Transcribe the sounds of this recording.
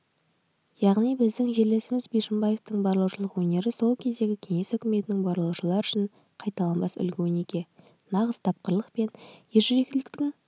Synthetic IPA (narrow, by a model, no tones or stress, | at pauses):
jɑʁnijbɪzd̪ɪŋʒe̞ɾle̞sɪmɪzbeʃɪmbɑje̞ft̪əɴbɑɾlˠuwʃəlˠəqwɵne̞ɾɪso̞lˠkʲʰe̞zd̪e̞ɡʲɪkʲʰe̞ŋe̞sʏkʲɪme̞t̪ɪnɪŋbɑɾlˠuwʃəlˠɑɾʏʃɪɴ | qʰɑjt̪ɑlˠɑnbɑsʏ̰lɡʲewɪnekʲe̞ | nɑʁəz̥t̪ʰɑp̚qəɾlˠəqpe̞njeʒʏɾe̞k̚ʲlɪkt̪ɪŋ